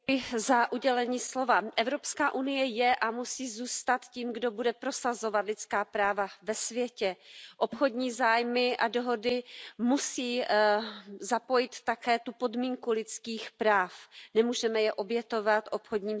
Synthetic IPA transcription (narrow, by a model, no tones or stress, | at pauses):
zaʔuɟɛlɛɲiːslo̞vaʔɛvɾo̞pskaːʔunɪjɛjɛʔamusiːzuːst̪at̪ciːmɡdo̞budɛpɾo̞sazo̞vat̪lɪt͡skaːpɾaːvavɛsvjɛcɛʔo̞pxo̞dɲiːzaːjmɪʔado̞ɦo̞dɪmusiː | zapo̞jɪt̪ːakɛːt̪upo̞dmiːŋkulɪt͡skiːxpɾaːfnɛmuːʒɛmɛjɛʔo̞bjɛt̪o̞vat̪ʔo̞pxodɲiːm